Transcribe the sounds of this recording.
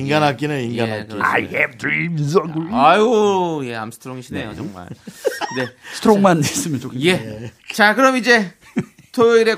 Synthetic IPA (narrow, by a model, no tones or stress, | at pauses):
iŋɡanɦak͈inɯniŋɡaɦak͈ia̰jhɛvtimis̬ʌŋɡuajoje̞a̰msʰtʰɾoŋiɕʰinejot͡ɕʌŋma̰ɭkde̞sʰtʰɾoŋmanes͈ɯmjʌnt͡ɕokje̞t͡ɕakɯɾʌmid͡ʑe̞ | tʰojoiɾe̞